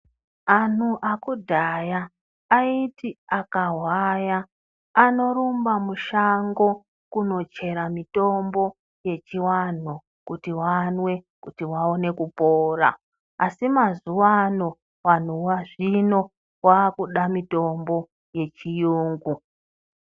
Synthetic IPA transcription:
an̤uʔakudʱajaː | itiakaɦwajaː | no̞ɾumbamuʃaŋɡo̞ | kuno̞t͡ʃe̞ɾamito̞mbo̞ | je̞t͡ʃiwan̤o | kutiwanwe̞ | kutiwaone̞kupoːra̰ː | simazuwano̞ | wan̤uwaʐino̞ | waːkuɗamito̞mbo̞ | je̞t͡ʃijuːŋɡu

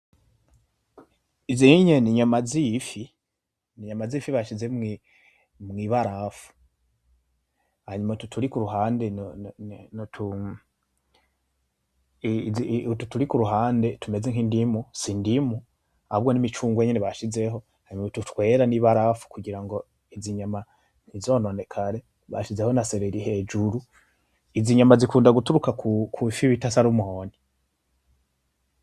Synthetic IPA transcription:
iziɲeniɲamazifi | niɲamazifiβaʃizemi | mŋiːβaɾafu̥ | haɲumatutʰuɾikuɾuɦaːnden | ntʰu | itutuɾikuɾuɦaːnde̞tume̞zeŋkindimusindimu | ahaβɡo̞nimit͡ʃuːŋɡweɲeneβaʃize̞ɦo̞ | haɾimeututwe̞ːɾaniβaɾafu̥kuɟiɾaŋɡo̞ | iziɲama | n̥izo̞ːno̞ne̞kʰaɾe̞ | βa̰ʃize̞ho̞naseɾeɾihe̞ːd͡ʒuɾu | iziɲamazikuːndaɡutuɾukakʰukʰufiβitasaɾumuhoːni

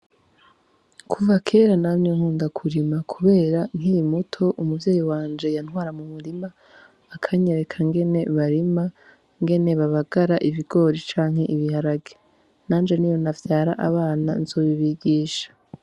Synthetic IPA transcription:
kʰuvakʰe̞ːɾanaːmɲeŋ̥uːndakʰuɾimakʰuβe̞ːɾan̥iɾimutʰo̞ʔumuvjeːjiwaːnd͡ʒe̞jan̥ŋwaːɾamumuɾimaː | kʰaɲeɾe̞kʰaŋɡe̞ne̞βaɾima | ŋɡe̞ne̞βaβaɡ̥aɾaʔiviɡo̞ːɾit͡ʃaːŋ̥he̞ʔiβihaɾaɡe | naːnd͡ʒe̞nijo̞navjaːɾaʔaβaːna̰nzo̞βiβiɡiːʃḁ

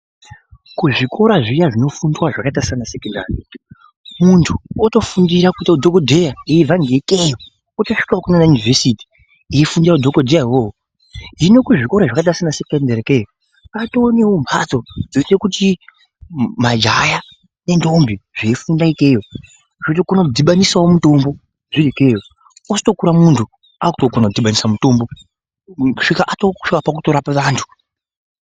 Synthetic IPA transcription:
kuʐikʰo̞ɾaʐijaʐino̞fundwaʐakatasanasekonda̰ːri | muntʰuoto̞fundiɾakuitaudʱokodʱejaivaŋɡekejo | otoʂi̥kwokunanajunivesiti̥ | iifundiɾaudʱo̞kodʱejaiwoɦo | ɦino̞kuʐiko̞ɾaʐakat̬asanasekendareke | katoːne̞wombʰat͡sod͡zoise̞kuti | mad͡ʒaja | ne̞ndo̞mbiʐ̥efundaikejo | ʐotokonaudʱiɓanisawomuto̞mbo | ʐiɾike̞jo | osto̞kuɾamuntʰu | akutokonakudʱiɓanisamuto̞mbo̞ | uʂikaʔatoikapak̬utoɾapaʋaːntʰu̥

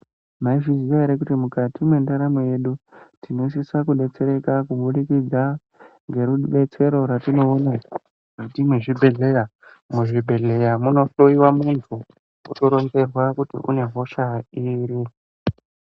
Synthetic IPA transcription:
maiʐiziʋaeɾekutimukatimwe̞ndaɾamoje̞ɗutino̞s̬isakuɗe̞t͡se̞ɾe̞kakuɓulikid͡za | ŋɡe̞ɾuɓe̞t͡se̞ɾo̞ɾatino̞ːna | ʐitimweʐibʱe̞ɮe̞ja | muʐibʱe̞ɮe̞jamuno̞toiwamuntʰu | ṵtoɾo̞nze̞rwakutḭʔṵne̞ɦo̞ʃaiːɾi

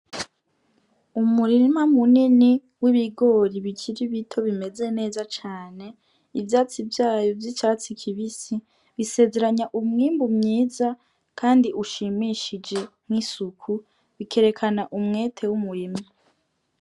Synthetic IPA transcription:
umuɾimamunini | wiβiɡo̞ːɾiβicʰiɾiβitʰo̞βime̞ze̞ne̞ːzat͡ʃaːne̞ | ivjaːt͡sivjaːjo̞vjit͡ʃaːt͡sikʰiβisi | βise̞ːze̞ɾaɲaʔumŋiːmbumɲiːza | kʰaːndiʔuʃimiʃid͡ʒe̞mŋisukʰu | βikʰe̞ɾe̞kʰanaʔumŋe̞ːtʰe̞wumuɾima

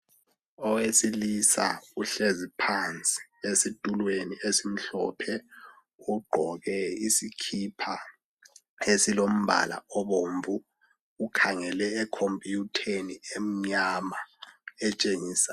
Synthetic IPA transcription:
ɔwesilisa̰uɬezipʰant͡sʼi̥esid̥ʱulweniesim̩ɬɔ̰pʰɛ | uɡ͡ǃʱɔɣɛisikʰipʰa | esilom̩bʱa̰la̰ɔɓoɱvu | ukʰaŋɛlɛːkʰompʼijutʰeniem̩ɲamaɛt͡ʃʼeŋiːsḁ

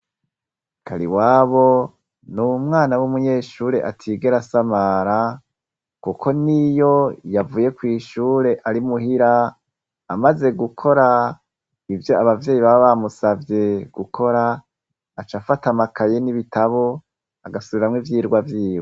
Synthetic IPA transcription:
kaɾḭwaːβo̞ | numŋaːnawumuɲe̞ːʃuːɾe̞ʔatʰiɡe̞ɾasamaɾa | kukʰo̞nijo̞javuːje̞kwiːʃuːɾe̞ʔaɾimuɦiɾaː | maze̞ɡukʰo̞ɾa | ivjo̞aβavje̞ːjiβaβaβamusavje̞ɡ̥ukʰo̞ɾaː | t͡ʃafatamakʰaje̞niβitaβo̞ | aɡasuβiɾamŋivjiːɾɡwavjiːwo

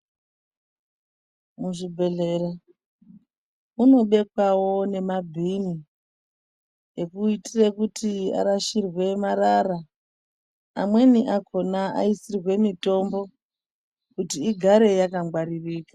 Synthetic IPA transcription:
muʐibʱe̞ɮe̞ra | uno̞ɓe̞kwawo̞ne̞mabʱini | ekuitirekutʰia̰ɾaʃirwe̞maɾara | mwe̞niʔakʰo̞naʔa̰isirwe̞mito̞mbo̞ | kutiːɡʱaɾe̞jakaŋɡwaɾiriːka

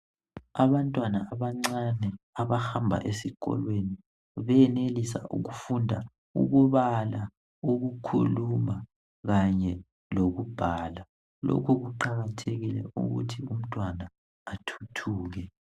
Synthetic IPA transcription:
aβantʼwanaaβaŋ͡ǀanɛ | aβaxambʱa̰ʔesiɣɔ̰lweni | βɛjɛnelisa̰ʔṵɣufundʱa̰ | ṵɣuβala | uɣukʰṵluma | ɣaɲɛ | loɣub̥ʱaːla | lo̰kʰuɣuǃaɣatʰeɣilɛ̰ṵɣṵtʰium̩tʼwanaː | tʰu̥tʰuːɣɛ

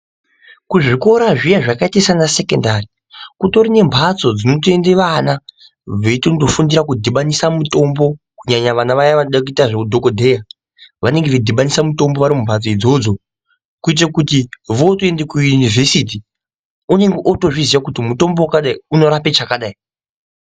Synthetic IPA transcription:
kuʐiko̞ɾaʐijaʐakaitesanase̞kendari | kuto̞ɾine̞mbʱat͡so̞d͡zino̞t̬oe̞ndeʋana | ʋeitotofundiɾakudʱiɓanisamuto̞mbo̞ | kuɲaɲaʋanaʋajaʋanoɗak̬uitaʐeudʱo̞kodʱe̞ja | ʋane̞ŋɡeʋedʱiɓanisamuto̞mbo̞ʋaɾimumbʱat͡so̞id͡zo̞d͡zo̞ | kuit̬akutiʋo̞toendekujunivesit̬i | une̞ŋɡeʔoto̞ʐizijakutimuto̞mbowakaɗaiuno̞ɾapet͡ʃakaɗai

